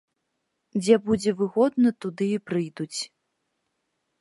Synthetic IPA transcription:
d͡zʲɛbud͡zʲɛvɨɣɔd̪nɐt̪ud̪ɨipɾɨjd̪ut͡sʲ

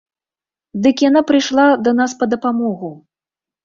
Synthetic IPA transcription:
d̪ɨkjanapɾɨjʂlˠad̪ɐnaspɐd̪ɐpamɔɣu

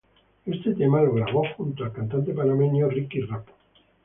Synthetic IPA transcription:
e̞st̪et̪emalolaɣoaxunt̪oalkant̪ant̪e̞panamenjorikirapo̥

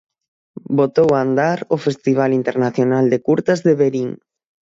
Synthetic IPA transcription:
bot̪owand̪aɾofest̪iβ̞alint̪eɾnaθjonald̪ɪkuɾt̪azðeβeɾiŋ

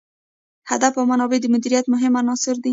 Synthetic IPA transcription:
had̪afawmanɑbed̪əmʊd̪iɾijat̪mʊɦɪmanɑsɪɾd̪i

